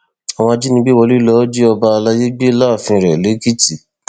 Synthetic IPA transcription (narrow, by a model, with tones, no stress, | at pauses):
a˨w̃ɔ̃˧a˧d͡ʒi˦nĩ˧bi˦wɔ˧li˦lɔ˨˦d͡ʒi˦ɔ˧ba˧a˧la˦je˦ɡ͡bi˦la˦˨fĩ˧ɾɛ˨le˨˦ki˦˨ti˨